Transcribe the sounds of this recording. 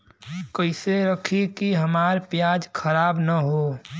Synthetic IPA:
kəɪseɾəkʰikiɦəmaːɾpjaːd͡ʒkʰəɾaːbnəɦoː

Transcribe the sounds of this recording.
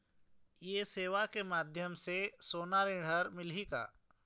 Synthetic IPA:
jeːseːʋakemaːd̪ʱjəmsesoːnaːɾĩɽ̤əɾmɪlɦika̰ː

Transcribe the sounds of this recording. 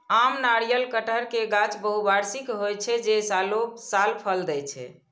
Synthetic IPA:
amnaɾijəlkəʈʰəɾkeɡãt͡ʃbəɦubaɾsikɦojt͡ʃʰɛd͡ʒesalosalpʰəld̪ɛt͡ʃʰɛ̰

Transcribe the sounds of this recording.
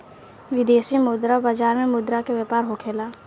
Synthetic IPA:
ʋɪd̪eːsimʊd̪ɾabaːd͡ʒaːɾmẽmʊd̪ɾakeʋepaːɾɦokʰeːlaː

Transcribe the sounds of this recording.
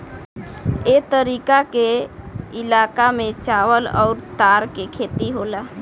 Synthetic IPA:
eːt̪əɾiːkakeɪlaːkamẽt͡ʃaːʋəlɔ̰ːɾt̪aːɾkekʰeːt̪iɦoːlaː

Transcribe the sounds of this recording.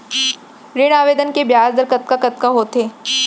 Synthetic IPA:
ɾeːɽ̃aːʋeːd̪ənkebjaːzd̪əɾkɐt̪̚kakɐt̪̚kaɦoːt̪eː

